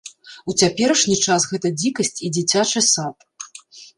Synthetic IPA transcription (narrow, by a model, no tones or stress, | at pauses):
ut͡sʲapʲɛɾɐʂnʲit͡ʂasɣɛt̪ɐd͡zʲikɐsʲt͡sʲid͡zʲit͡sʲat͡ʂɐsat̪